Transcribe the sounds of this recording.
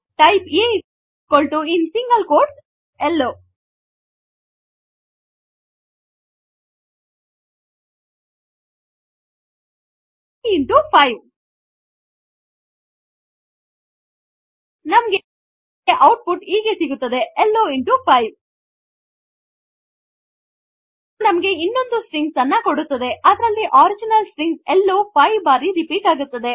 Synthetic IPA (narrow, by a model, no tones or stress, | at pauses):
ʈɐjpeːi | koɭʈuinsiŋɡɐlkoːɾs | elːoː | iɳʈupʰɐjʋ | nɐmɐɡe | eʔɐwʈ̚puʈiːɡesiɡut̪ːɐd̪e̞ɛlːoːiɳʈupʰɐjʋ | nɐmɐɡe̞inːo̞nd̪usɾiŋɡsɐnːɐkoɽut̪ːɐd̪e̞ʔɐd̪ɐɾɐlːiʔaːɾid͡ʒinɐlsɾiŋɡelːoːpʰɐjʋbaːɾiɾipiːkaːɡut̪ːɐd̪e̞